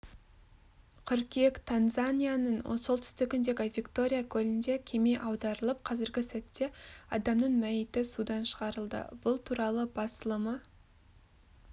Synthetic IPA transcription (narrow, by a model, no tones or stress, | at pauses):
qʲʰʏɾkʲiekt̪ʰanzanʲijanəɴo̰solˠt̪ʰʏ̥st̪ɪkʲɪnd̪e̞ɡʲɪvʲikt̪o̞ɾʲijakʲʰɵlɪnd̪e̞kʲʰe̞mejʔɑwd̪ɑɾəlˠəp̚qʰɑzɪɾɡʲɪsæt̪ːe̞ɑ̰d̪ɑmnəɴmæjɪt̪ɪsud̪ɑnʃəʁɑɾəlˠd̪ə̰b̥ʊlˠt̪ʰuɾɑlˠəbɑsəlˠəmə